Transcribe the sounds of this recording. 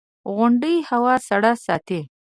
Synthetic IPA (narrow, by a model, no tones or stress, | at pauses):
ɣʊɳɖəjhawɑsaɽasɑ̰t̪e